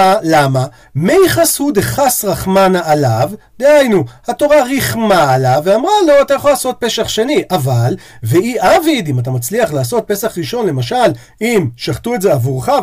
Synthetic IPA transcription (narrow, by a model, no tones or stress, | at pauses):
lama | mejχashud̪eχasʁaχmanaːlavd̪eajnuhato̞ʁaʁiχmaːlavːeamʁalo̞at̪ajaχolaːso̞t̚pe̞saχʃe̞niʔaval | veʔiʔavid̪imat̬amat͡sliaχlaːso̞t̚pe̞saχʁiʃo̞nle̞maʃal | imʃaχt̪ue̞tze̞avuʁχa